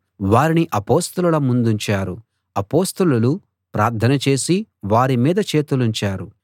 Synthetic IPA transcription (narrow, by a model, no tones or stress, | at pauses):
ʋaːɾiniʔɐpoːst̪ɐlulɐmund̪uɲt͡ʃaːɾu | ɐpo̞ːst̪ululu | pɾaːɾt̪ʰɐnɐt͡ʃe̞ːsiʋaːɾimiːd̪ɐt͡ʃe̞ːt̪uluɲt͡ʃaːɾu